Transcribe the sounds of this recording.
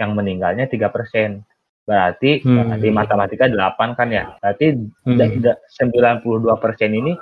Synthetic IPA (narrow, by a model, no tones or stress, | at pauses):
jaŋməniŋɡa̰lɲat̪iɡapərsɛn | b̥əɾart̪ibəa̰rt̪imat̪əmat̪ikadəlapankanja̰bəɾart̪idaidasəmbilanpuluhduapərsɛnini